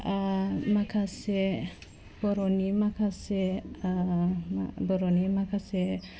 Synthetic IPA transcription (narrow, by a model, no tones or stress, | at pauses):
amakʰase | b̥ɔɾɔnimakʰasɛ | bɔɾɔnimakʰasɛ